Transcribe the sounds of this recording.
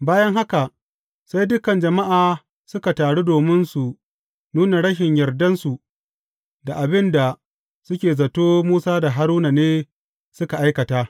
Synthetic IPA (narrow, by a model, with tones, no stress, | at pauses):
baː˦jɐ˦ŋɦa˦ka˨ | sa˦jdʊ˦kɐ˨nd͡ʒɐ˨ma˦ʔaː˨ | sʊ˦ka˨taː˨ɽuː˦doː˨mɪ˦nsu˨ | nuː˦na˨ɽɐ˦ʃɪ˨ɲjɐ˨rdɐ˦nsu˨ | da˨ʔa˨bɪ˦nda˨ | sʊ˦kʲeː˨zɐ˨toː˦muː˦saː˦da˨ɦa˦ɾuː˦na˨neː˦ | sʊ˦ka˨ʔa˦jkɐ˨taː˦